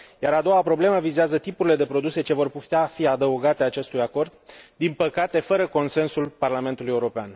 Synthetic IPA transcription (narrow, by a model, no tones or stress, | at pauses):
jaɾad̪o̞wapɾo̞ble̞məvizeazət̪ipuɾile̞d̪e̞pɾo̞d̪use̞t͡ʃe̞vo̞rput̪eafiad̪əuɡat̪e̞at͡ʃe̞st̪ujako̞rd̪d̪inpəkat̪e̞fəɾəko̞nse̞nsulparlame̞nt̪uluje̞uɾo̞pean